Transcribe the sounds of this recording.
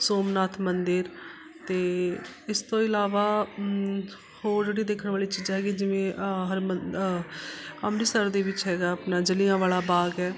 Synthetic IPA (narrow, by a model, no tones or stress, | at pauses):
soːmnaːt̪ʰmənd̪ɪɾ | t̪eːɪst̪õːɪlaːʋaː | hoːɾd͡ʒeːɽiːd̪eːkʰənʋaːliːt͡ʃiːd͡ʒɦɛːɡiːd͡ʒɪʋẽːɦəɾmə | amɾiːsəɾd̪eːʋɪt͡ʃɦɛːɡaːəpnãːd͡ʒəlijãːʋaːlaːbaːɡɛː